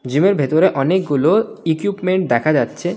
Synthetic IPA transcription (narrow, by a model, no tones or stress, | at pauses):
d͡ʑimeɾbʱet̪oɾeʔɔnek̚ɡuloikupmeɳʈ̚d̪ɛkʰad͡ʑatːɕʰe